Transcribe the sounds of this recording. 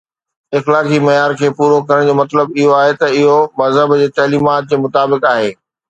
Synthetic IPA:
ɪxlaːkimɐjaːɾkʰeːpuːɾokɐɾəɽ̃d͡ʑoːmɐt̪ləbɪɦoaːɦet̪ɐɪɦomɐzəbd͡ʑeːt̪ɐɦliːmaːt̪̚d͡ʑeːmʊt̪aːbɪkaːɦeː

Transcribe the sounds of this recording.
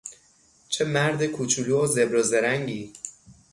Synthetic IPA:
t͡ʃʰemæɾd̪ekʰut͡ʃʰuluozebɾɒːzeɾæŋɟiː

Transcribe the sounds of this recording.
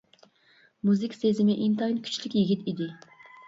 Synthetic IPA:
muzɪkʲsezɪmɪʔint̪ʰɑinkʲʰy̥t͡ʃʰlɪkʲjiɡʲit̪id̪ɪ

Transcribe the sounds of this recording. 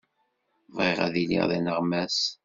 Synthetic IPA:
vʁiʁæ̰ðilḭʁðinəʁmæs

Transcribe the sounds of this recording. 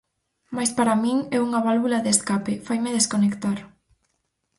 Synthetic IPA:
majspaɾamiŋɛuŋɐβalβulaðeskapɪfajmɪðeskonekt̪aɾ

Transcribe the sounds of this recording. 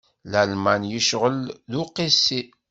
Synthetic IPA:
lælmænjəʃʁəlðʊqːisːi

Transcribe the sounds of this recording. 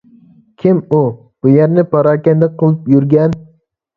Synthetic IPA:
kʲʰimu | b̥ujæɾnɪpʰɑɾɑːkʲɛnd̪ɛqʰəlˠɨpjyɾɡʲɛn

